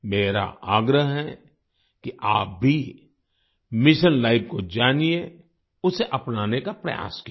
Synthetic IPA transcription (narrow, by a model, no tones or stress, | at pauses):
meːɾa̰aːɡɾəɦɦɛ | kiʔaːp̚bʱi | mɪʃənlaːɪpkod͡ʒaːnie | ʊseʔɐpnaːnekapɾɐ̰ja̰ːski